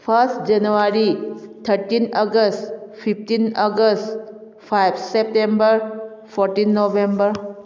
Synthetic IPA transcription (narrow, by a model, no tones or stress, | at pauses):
pʰəɾsʈd͡ʒənuʋaɾit̪ʰəɾʈinəɡəsʈpʰipʈinəɡəsʈ | pʰajbsep̚ʈẽmbəɾfɔɾʈĩnːoʋẽmbəɾ